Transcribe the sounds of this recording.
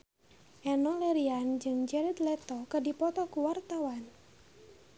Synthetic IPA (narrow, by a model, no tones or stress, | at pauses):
ʔɛnɔləɾiand͡ʒɨŋd͡ʒɛɾit̪lɛt̪ɔkədipɔt̪ɔkuwart̪awan